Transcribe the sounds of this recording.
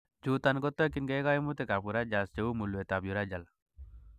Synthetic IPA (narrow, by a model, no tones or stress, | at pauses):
d͡ʒut̪anɡɔt̪ːɔkinɡeɡajimut̪ekabuɾad͡ʒast͡ʃeumulwet̪abjuɾad͡ʒal